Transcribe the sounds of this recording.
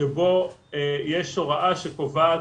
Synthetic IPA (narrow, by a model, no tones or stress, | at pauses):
ebo̞ejɛʃoʁaʔaʃekovaː